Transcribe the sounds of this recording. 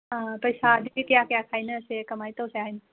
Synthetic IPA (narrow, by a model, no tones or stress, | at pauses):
ɦãpɐisaːd̪ikjaːkjaːkʰaːinɐsekɐmaːit̪oseaːin